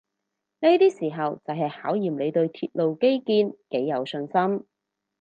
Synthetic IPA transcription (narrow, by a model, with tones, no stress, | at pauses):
ne˥t̪iː˥siː˨˩ɦɐ˨wt͡sɐ˨wɦɐ˨jhaː˨˥wjiː˨˩mle˨˧t̪ɵ˧ɥt̪ʰiː˧t̚lo˨wke˥jkiː˧nke˨˥jːɐ˨˧wsɵ˧nsɐ˥m